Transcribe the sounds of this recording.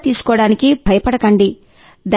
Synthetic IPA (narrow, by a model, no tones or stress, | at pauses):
t̪iːsu̥kɔːɽaːnikibʱɐjɐpɐɽɐkɐɳɖi | d̪a